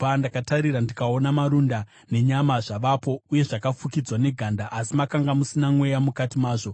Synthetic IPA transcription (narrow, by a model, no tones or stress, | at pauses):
pandakataɾiɾandikaonamaɾunda | ne̞ɲamaʐaʋapo̞uje̞ʐakafukid͡zwane̞ɡʱandaʔːsimakaŋɡamusinamwe̞jamukatimaːʐo̞